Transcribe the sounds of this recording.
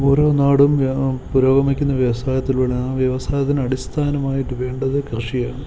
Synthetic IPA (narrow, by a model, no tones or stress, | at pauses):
o̞ːɾo̞ːnaːɽumpuɾoːɡɐmikʲːunːɐʋjɐʋɐsaːjɐt̪ːilʋɐɭɐnaʋjɐʋɐsaːjɐt̪ːinɐɽist̪ʰaːnɐmaːjiʈːɨʋe̞ːɳɖɐðɨkrɨʂijaːɳɨ